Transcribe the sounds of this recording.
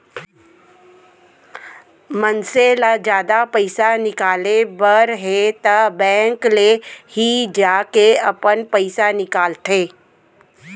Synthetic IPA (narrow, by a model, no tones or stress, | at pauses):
mənselad͡ʒjaːd̪apɐɪsanɪkaːlebəɾɦet̪ɐbɛ̃ːŋklehid͡ʒaːkeɐpənpəɪsanɪkaːlt̪ʰeː